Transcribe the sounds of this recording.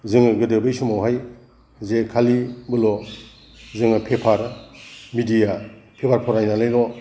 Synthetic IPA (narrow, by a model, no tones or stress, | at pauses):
zɯŋɯɡɯdɯbɯjsumawɦaj | zekʰalibɯlɔ | zɯŋɯpʰepʰaɾmidijapʰepʰaɾpʰɔɾajnalajɾɔ